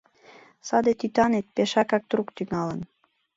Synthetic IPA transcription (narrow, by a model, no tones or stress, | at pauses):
sɑd̪et̪yt̪ɑnet̪̚peʃɑkɑk̚t̪ɾukt̪yŋɑlə̆n